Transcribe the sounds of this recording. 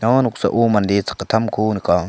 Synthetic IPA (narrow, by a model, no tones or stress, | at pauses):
nanuk̚sa̰ʔomand̪et͡sʰḁkːat̪ʰamkʰonika